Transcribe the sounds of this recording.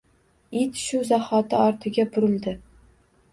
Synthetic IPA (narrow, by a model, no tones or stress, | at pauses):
it̪ʃʊzahɒt̪ʰɪɒɾt̪ʰɪɡʲabʊɾɪld̪ɪ